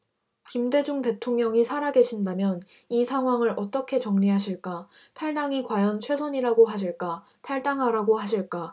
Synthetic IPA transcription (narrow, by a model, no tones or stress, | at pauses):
kimde̞d͡ʑuŋte̞tʰoŋɲʌŋisʰaɾaɡe̞ɕʰindamjʌn | isʰaŋɦwaŋɯɾʔʌt͈ʌkʰe̞t͡ɕʌŋɲiɦaɕʰiɭk͈a | tʰaɭdaŋikwajʌnt͡ɕʰwe̞sʰʌɲiɾaɡoɦaɕ̬ʰiɭk͈a | tʰaɭdaŋɦaɾaɡohaɕʰiɭk͈a